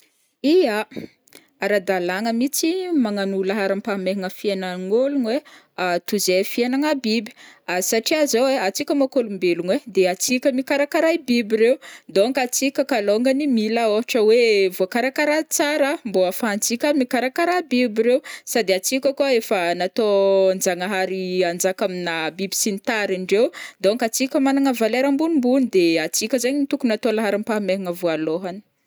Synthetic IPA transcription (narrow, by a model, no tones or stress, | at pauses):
ija | aɾad̪alaŋəmit͡simaŋanulaɦaɾampameɦiŋəfienaŋolunwe | at̪uzefienaŋabibi̥asaʈ͡ʂiazoweat͡sikʲəmakolumbelunwed̪eat͡sikʲəmikaɾakaɾajbibiɾewnd̪oŋɡat͡sikʲəkaloŋɡənimilaoaʈ͡ʂəwevuakaɾakaɾat͡saɾəmboafant͡sikʲamikaɾakaɾabibiɾewsad̪eat͡sikʲəkuaefənat̪ond͡zaŋaɦaɾiand͡zakaminabibi̥sinit̪aɾaɳɖ͡ʐew̪d̪oaŋkat͡sikʲəmanaŋəvalaɾambunumbunid̪eat͡sikʲəzaɲiit̪ukunat̪olaɦaɾimpaɦmeɦiŋəvualoɦani̥